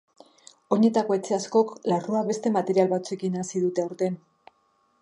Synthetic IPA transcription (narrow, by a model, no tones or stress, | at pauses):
o̞ɲe̞t̪ako̞e̞t͡se̞asko̞klaruaβe̞st̪e̞mat̪e̞ɾialβat͡sue̞kinasiðut̪e̞awɾt̪e̞n